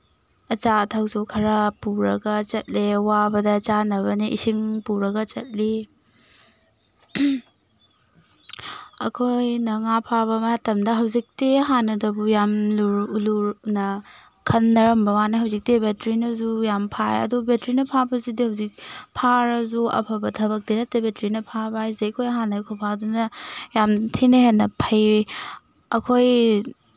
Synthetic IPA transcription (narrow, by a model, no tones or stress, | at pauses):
ɐt͡ʃatʰawsukʰɐɾapuɾɐɡɐt͡ʃɐt̚lewabɐdɐt͡ʃanɐβɐniʔḭsiŋpuɾɐɡɐt͡ʃɐ̰t̚li | ɐ̰kʰojnɐŋapʰabɐmɐɦatɐmdɐɦɐwzik̚tiɦanɐdɐbujamluɾuluɾnɐ | kʰɐnːɐɾɐmbɐmaneɦɐwzik̚tibetɾinɐzujampʰaḛɐ̰dubetɾinɐpʰabɐzidihɐwzik̚pʰaɾɐzuɐ̰pʰɐbɐtʰɐβɐk̚denɐtebetɾinɐpʰabajzejkʰojɐɦanɐkʰopʰadunɐjamtʰineɦenːɐpʰɐj | ɐkʰoj